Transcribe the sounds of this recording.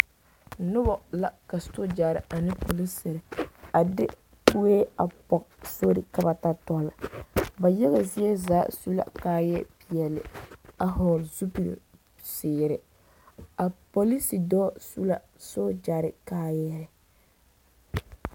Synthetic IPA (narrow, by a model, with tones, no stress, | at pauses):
nʊ˦bɔ˨la˨ka˨sto˦d͡ʒa˨ɾɪ˨ʔa˨nɪ˦po˨li˦sɪ˨ɾɪ˨a˨dɪ˦ | pu˦e˦a˨pɔ˨kso˦ɾɪ˨ka˨ba˨ta˦tɔ˦la̰˨ba˨jɛ˦ɣa˨zi˦ɛ˦zaː˦su˦la̰˦˨kaː˦jɛ˦pi˨ɛ˨lɪ̰˨a˨ɦɔː˨ɾzu˦pi˨l̰ | sɪː˨ɾɪ˨ | a˨po˨li˦si˨dɔː˦su˦la˦ | sʊ˦d͡ʒa˨ɾɪ˦kaː˦jɛ˦ɾɛ˨